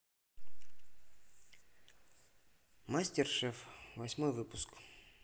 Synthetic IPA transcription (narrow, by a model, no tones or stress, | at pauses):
masʲtʲɪrʂɛfvɐsʲmojvɨpʊsk